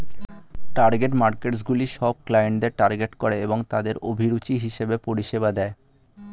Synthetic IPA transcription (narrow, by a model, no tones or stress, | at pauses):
ʈaɾɡeʈmaɾkeʈs̬ɡuliʃɔb̚klajeɳʈd̪eɾʈaɾɡeʈkoɾeeboŋt̪ad̪eɾobʱiɾut͡ɕiɦiʃebepoɾiʃebad̪ɛe